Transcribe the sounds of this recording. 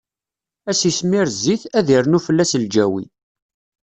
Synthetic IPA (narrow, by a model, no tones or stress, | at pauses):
æsismiɾzːiθæðiɾnufəlːæsld͡ʒæwḭ